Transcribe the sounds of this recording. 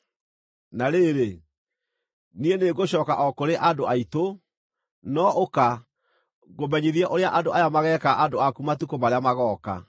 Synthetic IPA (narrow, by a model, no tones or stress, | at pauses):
naɾeɾe | nieneɡoɕɔkaʔɔkoɾeʔadoaito | nɔʔoka | ɣomɛɲiðiaʔoɾeaʔandoʔajamaɣɛːkaʔadoakumatukomaɾeamaɣɔːka̰